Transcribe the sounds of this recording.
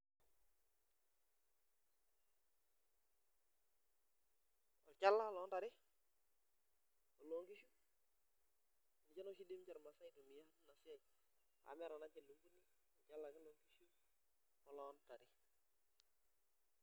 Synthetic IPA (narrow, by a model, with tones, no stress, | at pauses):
ɔ˨t͡ʃa˦lːa˦lɔ˦nta˨ɾɪ˦ | ɔ˨lo˦ŋki˦ʃu˦˨ | ni˨t͡ʃa˦no˦ʃi˦de˦mt͡ʃa˨ɾma˨sa˦i˦to˨mi˨ja˦tna˨sɪ˦a˦˨ | a̰˨mɛ˦ɾɔ˨na˦t͡ʃe˨lu˨˦ŋɡu˦ni˦ | ɔ˨t͡ʃa˦lːa˨kɪ˦lo˦ŋki˦ʃu˦ | ɔ˨lɔ˦nta˨ɾɪ˦